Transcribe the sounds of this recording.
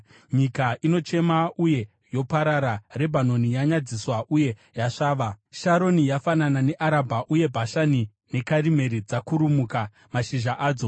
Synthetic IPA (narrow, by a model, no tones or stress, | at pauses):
ɲikaʔino̞t͡ʃe̞mauje̞ | jo̞paɾaɾare̞bʱano̞nijaɲad͡ziswaʔuje̞jaʂaːʋaʃaɾo̞nijafananane̞ʔaɾabʱaʔuje̞bʱaʃani | ne̞kaɾime̞ɾid͡zakuɾumuka | maʃiʒaʔaːd͡zo̞